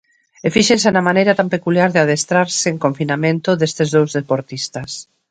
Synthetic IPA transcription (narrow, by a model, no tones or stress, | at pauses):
efiʃensenamanejɾat̪ampekuljaɾðeaðest̪ɾaɾseːŋkoɱfinamẽnt̪ʊðest̪ezðowzðepoɾt̪ist̪ɐs